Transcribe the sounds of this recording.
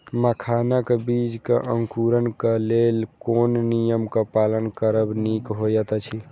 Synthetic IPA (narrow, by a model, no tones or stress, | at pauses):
məkʰanakebid͡ʒkḛʔəŋkuɾənkəlelkonnijəmkəpalənkəɾəbnikɦojət̪t͡ʃʰi